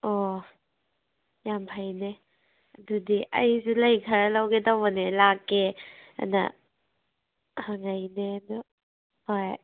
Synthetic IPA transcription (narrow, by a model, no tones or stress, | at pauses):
ɔ | jampʰajne | ɐdudiʔɐ̰jsulajkʰaɾalawɡedawanelakːea̰na̰ | haŋajnedu | hɔj